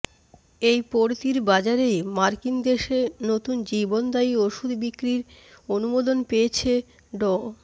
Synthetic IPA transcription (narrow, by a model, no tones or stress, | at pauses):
ejpoɾt̪iɾbad͡ʑaɾejmaɾkind̪eʃenot̪und͡ʑibond̪aioʃud̪ʱbikːɾiɾ | onumod̪onpeet͡ɕʰe | ɖɔ